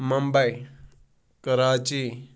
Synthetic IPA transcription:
məmbəj | kəɾaːt͡ʃi

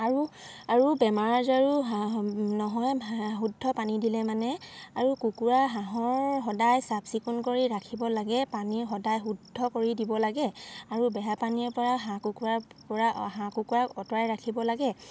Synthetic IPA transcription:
aɹuaɹubɛmaɹazaɹu | nɔɦɔjɦudʱːɔpanidilɛmanɛaɹukukuɹaɦãɦɔɹɦɔdajsabsikunkoɹiɹakʰibɔlaɡɛpaniɹxɔdajɦudʱːɔkoɹidibɔlaɡɛaɹubɛjapanipɔɹaɦãkukuɹaɹpɔɹaɦãkukuɹakɔtɔɹajɹakʰibɔlaɡɛ

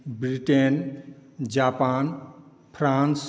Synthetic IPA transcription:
bɾiʈen | d͡ʒapan | pʰɾãns

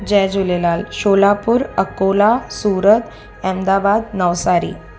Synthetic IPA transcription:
d͡ʑɛd͡ʑulelalɕolapuːɾəkolasuːɾət̪ | ɛmd̪abad̪nəʋsaɾḭː

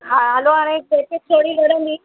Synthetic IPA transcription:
ɦaɦaloɦaːɽ̃ẽd͡ʒek̪et̪ʰoːɽiɡʱəɽə̃nd̪iː

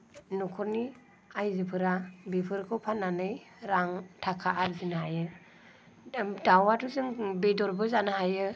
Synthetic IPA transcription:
nukʰɔɾni | ajzɯpʰɯɾabipʰɯɾkʰɔwpʰanːanɯj | ɾaŋtʰakʰaʔːɾzinɦajɯ | dawatuzɯŋbedɔɾbɯzanɯɦajɯ

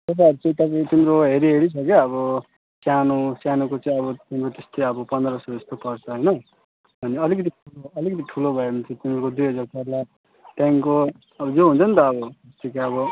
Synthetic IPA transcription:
t̪ʌp̬ajʌɾut͡sʌĩt̪ʌpaĩt̪imɾoɦeɾiɦeɾit͡sʰʌkeʌβʌ | sjanosjanokot͡saĩʌβʌt̪imɾot̪est̪ojʌbʌpʌnd̪ɾʌsʌd͡zʌst̪opʌrt͡sʰʌɦʌjnʌ | bʱʌneʌlikʌt̪̬iʈʰuloʌlikʌt̪̬iʈʰulobʱʌebʱʌnt͡sʰʌ̃t̪imɾokod̪ujɦʌd͡zarp̪arla | t̪jaŋko | ʌbʌd͡zoɦũnt͡sʰʌnt̪ʌːbʌest̪ʰikaʌbʌ

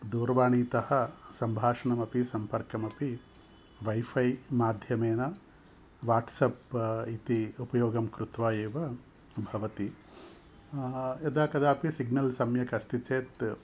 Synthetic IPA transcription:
d̪uːɾʋaːɳiːt̪ɐhɐsɐmbʱaːʂɐɳɐmɐpisɐmpɐɾkɐmɐpi | ʋɐjfʰɐjmaːd̪ʱjɐmeːnɐ | ʋaːʈsɐpit̪iupɐjoːɡɐmkɾut̪ʋaːjeːʋɐ | bʱɐʋɐt̪i | ɐd̪aːkɐd̪aːɐpisiɡnɐlsɐmjɐkɐst̪it͡ʃeːt̪

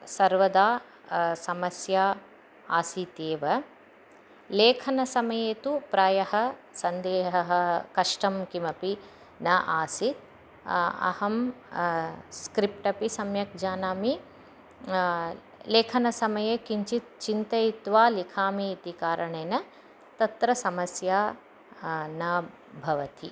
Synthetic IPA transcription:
sɐɾʋɐd̪aː | sɐmɐsjaː | aːsit̪eːʋɐ | leːkʰɐnɐsɐmɐjeːt̪upɾaːjɐɦɐ̆sɐnd̪eːɦɐɦɐkɐʂʈɐmkimɐpi | nɐʔaːsit̪̚ | ɐ̰hɐm | skɾip̚ʈɐpisɐmjɐk̚d͡ʒaːnaːmi | leːkʰɐnɐsɐmɐjeːkiɲt͡ʃit̪̚t͡ʃint̪ɐjit̪ʋaːlikʰaːmiːt̪ikaːɾɐɳeːnɐ | t̪ɐt̪ɾɐsɐmɐsjaː | nɐ | bʱɐʋɐt̪i

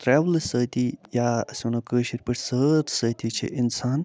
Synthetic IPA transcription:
t̪ɾɛːʋlsəːt̪ijaːɐsɐnɐkəːʃiɾʲpəʈsəːt̪ʰsəːt̪ʰit͡ʃʰḭʔinsaːn

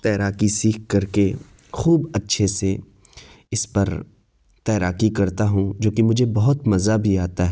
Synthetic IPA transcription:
t̪ɛːɾaːkisiːkkɐɾke | xuːbɐtːʃʰese | ɪspɐɾ | t̪ɛːɾaːkikɐɾt̪aɦũd͡ʒoːkimʊd͡ʒʱebɐɦʊt̪mɐzabʱiaːt̪aɦɛ

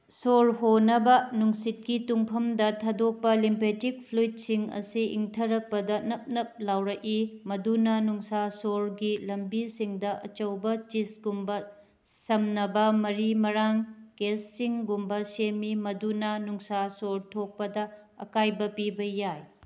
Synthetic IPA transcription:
soɾɦonɐbɐnuŋsit̚kituŋpʰɐmdɐtʰɐdok̚pɐlimpetik̚pʰlujt̚siŋɐ̰siḭŋtʰɐɾɐk̚pɐdɐnɐp̚nɐp̚lawɾɐʔimɐdunɐnuŋsasoɾɡilɐmbisiŋdɐʔɐ̰t͡ʃɐwbɐt͡ʃisɡumbɐ | sɐmnɐbɐmɐɾimɐɾaŋkesːiŋɡumbɐsemimɐdunɐnuŋsasoɾtʰok̚pɐdɐ | ɐ̰kajbɐpibɐjaj

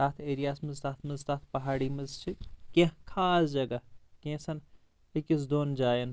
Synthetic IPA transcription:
aːt̪ʰeːɾijaːsmɐzsaːt̪ʰmɐzt̪aːt̪ʰpɐɦaːɽimɐzt͡ʃʰikẽɦkʰaːsd͡ʒɐɡɐkẽsɐn | ikis̬d̪oːnd͡ʒaːjɐn

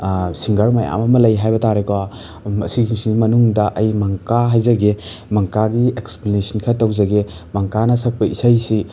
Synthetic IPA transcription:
siŋɡɐɾmaja̰mɐmɐlɐjɦajbɐtaɾekowa | ɐsiɡsiŋɡimɐnuŋdɐʔɐjmɐŋkaɦɐjzɐɡemɐŋkaɡieksplinisinkʰɐtɐwzɐɡe | mɐŋkanɐsɐk̚pɐʔisajsi

